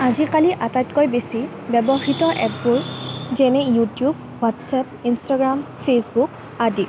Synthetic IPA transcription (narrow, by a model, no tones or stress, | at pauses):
azikaliʔatajtkojbesi | bɛbɔxitɔʔɛpbuɹzɛnɛjutjub | watsɛp̚instaɡɹampʰesbuk | adi